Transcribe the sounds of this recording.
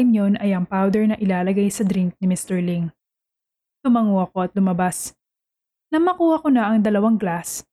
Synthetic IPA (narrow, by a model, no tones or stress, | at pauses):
mjonɐjɐŋpawd̪ɛɹnɐʔɪlaːlɐɡajsɐd̪ɾɪŋk̚nɪmɪst̪ɛɹliŋ | t̪ʊmɐŋoɐko̞ɐt̪̚lʊmɐbas | nɐmːɐkuːhɐkonɐʔɐŋd̪ɐlɐwaŋɡlas